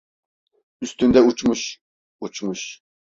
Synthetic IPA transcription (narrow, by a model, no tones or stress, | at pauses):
yst̪ynd̪ɛut͡ʃmuʃ | ut͡ʃʰmuʃ